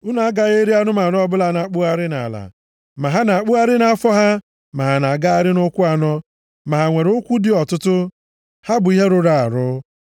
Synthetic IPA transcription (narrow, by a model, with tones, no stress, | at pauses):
ʊ˦na˨a˦ɡa˦ɣe˦ɾi˦a˦nʊ˦ma˨n˦ɔ˦bʊ˦la˦na˨k͡pu˦a˦ɾɪ˦na̰˨la̰˨ | ma˨ɦa˦na˨k͡pu˦a˦ɾɪ˦na˨a˦fɔ˦ɦa˦ | ma˨ɦa˨na˨ɡa˦a˦ɾɪ˦nʊ˦kʷʊ˦a˨nɔ˦ | ma˨ɦa˨ŋʷe˨ɾʊ˦kʷu˦dɪ˦ɔ˨tʊ˦tʊ˦ | ha˦bʊ˨i˦ɦe˦ɾʊ˨ɾa˨a̰˨ɾʊ˦